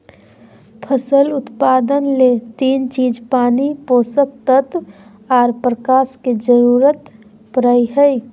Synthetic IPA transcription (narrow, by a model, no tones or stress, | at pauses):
pʰəsəlʊt̪paːd̪ənlet̪iːnt͡ʃiːd͡ʒpaːnipoːsək̚t̪ət̪ | aːɾpɾəkaːsked͡ʒəɾuːɾət̪ | pəɾəjɦəj